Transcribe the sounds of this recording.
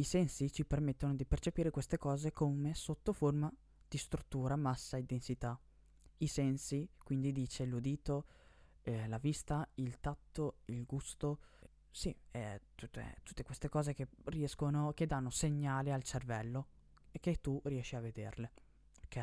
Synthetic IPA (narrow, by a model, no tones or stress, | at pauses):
isɛnsit͡ʃipermet̪ːonod̪ipert͡ʃepiːɾekwest̪ekɔːzekʰomesot̪ːoforma | d̪̥ist̪ɾut̪ːuːɾamasːaid̪ensit̪a | isɛnsikwind̪id̪iːt͡ʃelud̪iːt̪o | lavist̪ailt̪at̪ːoilɡust̪o | siɛt̪ut̪ːt̪ut̪ːekwest̪ekɔːzekeriɛskonok̟ed̪anːoseɲːaːlialt͡ʃervɛlːo | ek̟et̪ːuriɛʃːiaved̪ḛrle | kɛ